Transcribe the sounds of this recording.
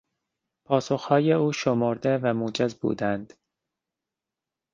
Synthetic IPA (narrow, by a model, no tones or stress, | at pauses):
pʰɒːsoxhɒːjeuːʃomoɾd̪evæmuːd͡ʒezbṵːd̪ænd̪̥